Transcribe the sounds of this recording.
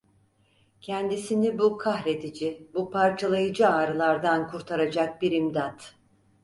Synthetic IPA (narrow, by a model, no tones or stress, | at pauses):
cʰɛnd̪isinibukʰahɾe̞d̪id͡ʒibupʰaɾt͡ʃʰalˠajɯd͡ʒɯaːɾɯlˠaɾd̪ankʰuɾt̪ʰaɾad͡ʒak̚biɾimd̪at̪